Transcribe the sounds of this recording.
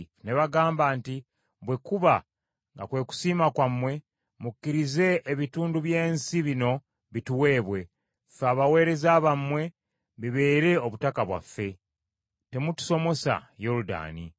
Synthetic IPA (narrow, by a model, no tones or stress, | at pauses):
ne̞βaɡaːmbaːnti | βwe̞kuβa | ŋɡa̰kwe̞ːku̥siːmakwamːwe̞ | mukːiɾize̞ːβituːnduβje̞ːnsiβino̞ | βituwe̞ːβwe̞ | faːβawe̞ːɾe̞zaβamːwe̞ | βiβe̞ːɾe̞o̞βutakaβwa̰fːe̞ | te̞mutu̥so̞mo̞sa̰jo̞luda̰ːnḭ